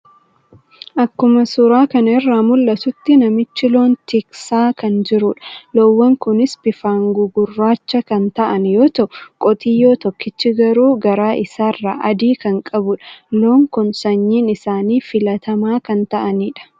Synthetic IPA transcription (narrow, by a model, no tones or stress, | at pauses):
ʔɐkːʊmɐsʊɾaːkɐnɪrːaːmʊlːɐt̪ʊt̪ːɪnɐmɪt͡ʃːɪlo̞ːnt̪ɪksaːkɐnd͡ʒɪɾʊᶑɐ̥lowːɐŋkʊnɪsbɪfaːŋɡʊɡʊrːaːt͡ʃːɐkɐnt̪ɐʔɐnjoːt̪ɐʔʊkʼɔt̪ʼiːjo̞ːt̪ɔkːɪt͡ʃːɪɡɐɾuːɡɐɾaːʔɪsaːrːa̰ːʔɐd̪iːkɐŋkʼɐbʊᶑɐ̥loːŋkʊnsɐɲːiːnɪsaːniːfɪlɐt̪ɐmaːkɐnt̪ɐʔɐniːᶑɐ̥